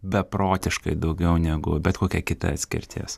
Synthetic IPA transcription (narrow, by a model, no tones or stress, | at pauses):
bʲɛpɾoːt̪ʲɪʃkɐɪd̪ɐʊɡʲɛʊnʲɛɡʊbʲɛt̪koːkʲɛkʲɪt̪ɐ̰ɐt̪ʲsʲkʲɪ̰ɾʲt̪ʲʰḭːs